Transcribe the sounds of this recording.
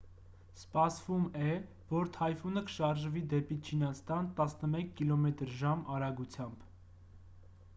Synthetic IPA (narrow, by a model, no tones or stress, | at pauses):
spɑsvumɛ | vɔɾt̪ʰɑjfunəkə̥ʃɑɾʒvid̪ɛpit͡ʃʰinɑst̪ɑnt̪ɑsnəmɛkʰːilɔmɛt̪əɾʒɑmɑɾɑɡut͡sʰjɑmb